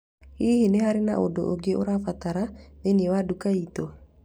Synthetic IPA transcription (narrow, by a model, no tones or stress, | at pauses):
hihineɦaɾina̰ʔodoʔoɡeʔoɾafat̪aɾameniwadukait̪o